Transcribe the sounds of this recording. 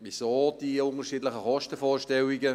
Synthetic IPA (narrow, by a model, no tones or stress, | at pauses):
ʋisoːd̥iʊntəʃiːdlɪxəχɔʃtəfoːɹʃtɛlɪɡə